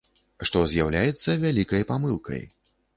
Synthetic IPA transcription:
ʂt̪ɔzʲjawlʲajɛt̪sːɐvʲalʲikɐjpamɨlˠkʰɐ̰j

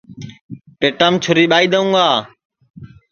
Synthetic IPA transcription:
peːʈəmt͡ʃʰʊɾiːɓaːiːd̪əũːɡaː

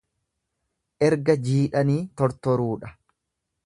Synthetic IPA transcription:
ʔɛɾɡɐd͡ʒiːᶑɐniːt̪ɔɾt̪ɔɾuːᶑɐ

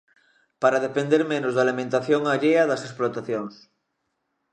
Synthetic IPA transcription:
paɾað̞epend̪eɾmẽnozðalimẽnt̪aθjoŋaʎeɐðɐsesplot̪aθjoŋs

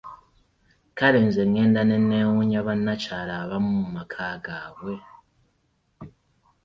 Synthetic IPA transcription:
kaɾeːnzeŋːe̞ːndanenːeːwuɲaβanːacaːlaːβamumumakʰaːɡaːβwe̞

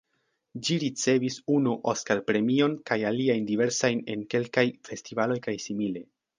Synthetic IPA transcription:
d͡ʒiɾit͡se̞visunuʔoskalpɾe̞mio̞nkajaliajndive̞ɾsajne̞nke̞lkajfe̞stivalo̞jkajsimile̞

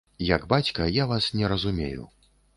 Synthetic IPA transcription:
jɐɡbat͡sʲkɐjavasnʲɛɾɐzumʲḛjṵ

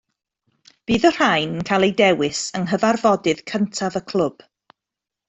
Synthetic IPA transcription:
b̥iːðər̥ajnkʰalˠejdɛwɪsəŋɦəvarvɔdɨð̥kʰəntʰavəkʰl̥ˠʊb̥

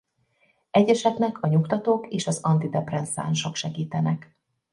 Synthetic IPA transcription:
ɛɟɛʃɛknɛkʰɒɲukt̪ɒt̪oːkeːʃɒzɒnt̪id̪ɛprɛnsa̰nʃo̞kʃɛɡiːt̪ɛnɛk

